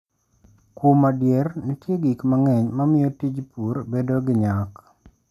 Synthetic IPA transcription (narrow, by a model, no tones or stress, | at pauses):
kumadjernitjeɡikmaŋɛɲmamɪjotid͡ʒpurbedoɡɪɲak